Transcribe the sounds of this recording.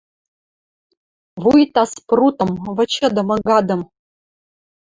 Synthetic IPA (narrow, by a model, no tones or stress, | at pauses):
vujt̪ɑsprut̪ɤ̆mvɤ̆t͡ɕɤ̆d̪ɤ̆mɤ̆ɡɑd̪ɤ̆m